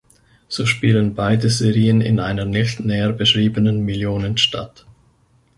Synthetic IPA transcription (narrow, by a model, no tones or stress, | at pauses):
z̥oːʃpiːlənbaɪdəzeʁiːənɪ̰nʔaɪnɐnɪçtnɛːəbəʃʁ̥iːbənənmɪljoːnənʃtʰa̰t